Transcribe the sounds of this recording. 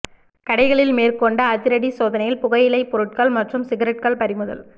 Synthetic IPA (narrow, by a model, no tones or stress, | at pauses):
kɐɽɐɪɣɐɭɪlmeːrkɔɳɖɐːðɪɾɐɽisoːðɐnɐjɪlpʊɣɐjɪlɐɪpɔɾɯʈ̚kaɭmɐʈrɯmsɪɣɐɾɐʈ̚kɐɭpɐɾɪmɯðɐ̰l